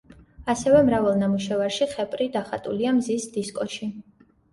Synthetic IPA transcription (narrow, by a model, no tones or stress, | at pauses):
asɛvɛmɾavalˠnamuʃɛvaɾʃiχɛpʼɾid̪aχat̪ʼṵliamzisd̪iskʼɔʃi